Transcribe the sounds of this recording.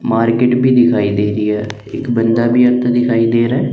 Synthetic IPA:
maːɾkeːʈbʱiːd̪ɪkʰaːid̪eːɾijɛː | ɪ̰kbənd̪aːbʱiːət̪ːd̪ɪkʰaːiːd̪eːɾaː

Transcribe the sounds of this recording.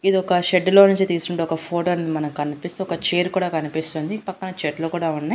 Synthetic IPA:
id̪iɔkɐʃeɖlonuɲt͡ʃit̪iːskuɳʈeɔkɐpʰo̞ːʈoːɐned̪imɐnɐmkɐnipist̪eɔkɐt͡ʃeːɾkuːɽaːkɐnipist̪uːnd̪ipɐkːɐnɐt͡ʃeːʈloːkuːɽaːunːɐj

